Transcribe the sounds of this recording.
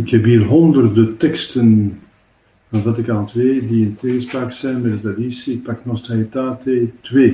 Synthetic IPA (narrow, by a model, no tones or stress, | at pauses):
ɪkhɛpɦiːrɦɔnd̪ərdətɛkstən | vɑnvɑtɪkaːntʋeːdiənteːɣəspraːksɛjnmɛdətadisiɪk̚paknɔst̪ajətaːtetweː